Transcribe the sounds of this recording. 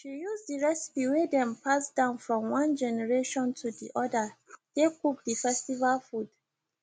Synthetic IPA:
ʃijuzdiɹɛsi̥piwedɛ̃mpʰasd̥ãʊ̃nfɹɔ̃mwãnd͡ʒɛnɛɹeʃɔ̃ntʰudiʔɔdad̥ekup̚difɛstivalfud̥

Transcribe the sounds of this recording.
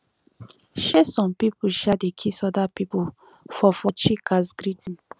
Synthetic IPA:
ʃesɔ̃mpipuʃadekʰisɔdapipu | fɔfɔt͡ʃikasɡɾitĩn

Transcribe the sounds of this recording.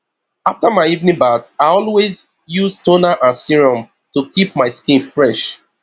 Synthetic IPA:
aftamaɪivnĩŋbataɪɔlwez | juztonaʔãnsiɹɔ̃m | tukip̚maɪskĩnfɹɛʃ

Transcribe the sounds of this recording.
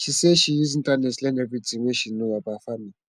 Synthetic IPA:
ʃʰiseʃijiz̬intʼanɛtlɛnɛbidiŋweʃinuwabafamili

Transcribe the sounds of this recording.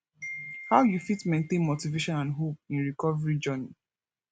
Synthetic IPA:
haʊjufitmẽntẽnmotiveʃɔ̃nãnɦop̚ĩnɹikɔvɹid͡ʒɔni

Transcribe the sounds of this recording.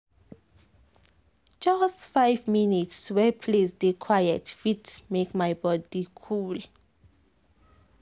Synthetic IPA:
d͡ʒastfajvminitswɛpʰlesdekʰwajɛtfitmekmajbɔdikʰul

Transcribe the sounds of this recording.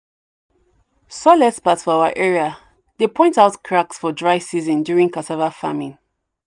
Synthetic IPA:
sɔlɛspatsfɔaaʔɛɹia | ðepʰɔ̃ɪ̃ntaʊtkʰɹaksfɔdɹaɪsizə̃ndjuɹĩŋkʰatʰavafa̰mĩn

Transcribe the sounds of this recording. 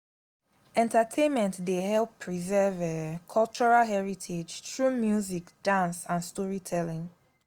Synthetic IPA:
ɛ̃ntətʰẽnmɛ̃ntdehɛlˠpʰɹizɛvəkʰɔlt͡ʃuɹalɦɛɹitʰed͡ʒtʰɹumjuzikd̥ãnsãnstɔɹitʰɛlɪ̃ŋ

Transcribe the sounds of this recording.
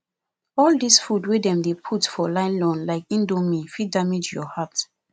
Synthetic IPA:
ɔldisfudwedɛ̃mdepʰutfɔlãɪ̃nlɔ̃nlaɪkĩndomĩfidamid͡ʒjɔhat

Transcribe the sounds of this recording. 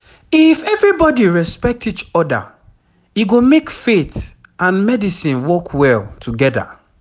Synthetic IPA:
ifɛvɹibɔdiɹɛspɛk̚tit͡ʃɔda̰ | iɡomekfet | ãnmɛdisĩnwɔkʰwɛltʰuɡɛda̰

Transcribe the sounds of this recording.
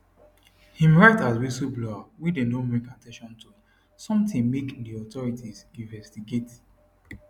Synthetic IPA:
hĩmɹaɪtaswisublɔwidẽdõnmekatʰɛ̃ʃɔ̃ntu | sɔ̃mtĩŋmekdiɔtɔɹitʰizĩnvɛstiɡet

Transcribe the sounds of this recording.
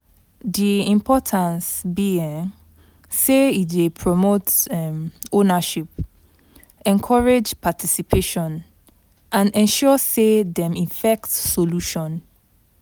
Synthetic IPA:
diĩmpʰɔtʰãnsbiĩŋ | seitdepʰɹɔmotmonaʃip | ɛ̃nkʰɔɹed͡ʒpʰatʰisipʰeʃɔ̃n | ãnɛ̃nʃɔsedɛ̃mĩfɛk̚tsoluʃɔ̃n

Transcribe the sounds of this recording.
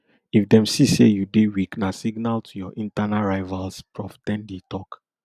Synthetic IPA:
ifdɛ̃msisḛjudewiknasiɡnaltʰujɔʔĩntanaɹaɪvalspɹɔftɛ̃ndetɔk

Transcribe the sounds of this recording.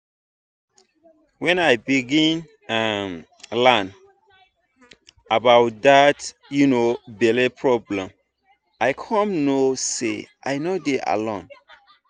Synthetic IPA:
wɛ̃najbiɡĩn | am | lãn | abawt̚dat | junobɛlepʰɹɔblɛ̃m | aɪkʰɔ̃mnosḛʔa̰ɪnodeʔa̰lɔ̃n

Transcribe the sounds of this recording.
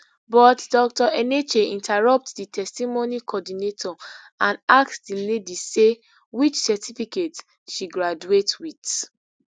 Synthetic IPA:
bɔtdɔk̚tɔʔɛnet͡ʃeĩntʰɛɹɔp̚tditʰɛstimonikʰɔdinetʰɔ | ãnaksdiledise | wit͡ʃsɛtʰifiket | ʃiɡɹad͡ʒuetwit

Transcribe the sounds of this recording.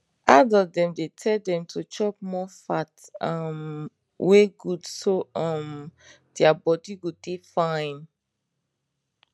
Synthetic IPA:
adɔdɛ̃mdetʰɛldɛ̃mtʰot͡ʃɔp̚mɔfatam | weɡudsoɔ̃m | d̥ɛabɔdiɡotefãɪ̃n

